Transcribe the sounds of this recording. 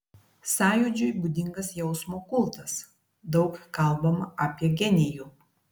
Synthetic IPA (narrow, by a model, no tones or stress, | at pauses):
sɑːjʊd͡ʒʲʊjbʊd̪ʲɪŋɡɐsjɛʊsmoːkʊlˠt̪ɐs | d̪ɒʊkkɐlˠˑbɐmɐʔɑːpʲiɛɡʲɛnʲɪjuː